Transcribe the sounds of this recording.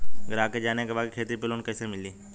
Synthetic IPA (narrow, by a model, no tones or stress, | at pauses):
ɡɾaːked͡ʒaːnekebaːkʰeːt̪ɾipɪloːnkɛːsemɪliː